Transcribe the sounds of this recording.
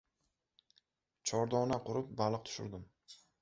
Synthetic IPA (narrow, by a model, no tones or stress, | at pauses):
t͡ʃʰɒɾd̪ɒnaqʰʊɾɪp̚balˠɨq̚t̪ʰʊ̥ʃʊ̰ɾd̪ɪm